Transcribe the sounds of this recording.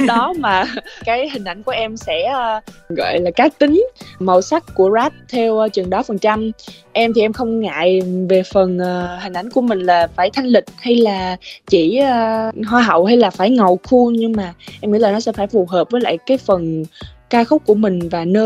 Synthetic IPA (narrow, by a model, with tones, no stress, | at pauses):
ɗɔ˨˦maː˨˩kaː˨˦jhï˨˩ŋ̟ʔa˧˩jŋ̟ku˧˩əʔɛ˧msɛ̰˧˥ɣɔ̰˧˨jlaː˨˩kaː˦˥k̚t̪ï˨˦ŋ̟mə̰˧˩wsa˦˥k̚ku˧˩əzaː˦˥t̚t̪ʰɛ˧wt͡ɕwi˨˩əŋɗɔ˨˦fə˨˩nt͡ɕa˧m | ʔɛ˧mt̪ʰi˨˩ʔɛ˧mxə˧wŋ͡mŋa̰ː˧˨jve˨˩fə˨˩nʔːhï˨˩ŋ̟ʔa˧˩jŋku˧˩əmï˨˩ŋ̟laː˨˩faː˧˩jt̪ʰa˧jŋ̟lï˨˩k̚ha˧jlaː˨˩t͡ɕi˧˩˧ɦwaː˧ɦə̰˧˨wha˧jlaː˨˩faː˧˩jŋə˨˩wxʰu˧ɲɨ˧ŋmaː˨˩ʔɛ˧mŋḭ˧˥laː˨˩nɔ˨˦sɛ̰˧˥faː˧˩jfu˨˩ɦəː˨˩p̚vəː˨˦jla̰ː˧˨jkaː˨˦jfə˨˩nkaː˧xə˦˥k͡p̚kːu˧˩əmï˨˩ŋ̟vaː˨˩nəː˧